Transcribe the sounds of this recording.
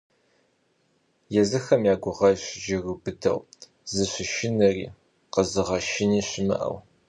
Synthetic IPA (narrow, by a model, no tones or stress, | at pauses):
jɛzɨxɐmjaːɡʷʊʁɐɕɪd͡ʒɪɣɨbɨdʰɐ̰w | zɨɕɪʃɪnɨrḭː | qəzɨʁɐʃɪniːɕɪmɨ̰ʔɐ̰w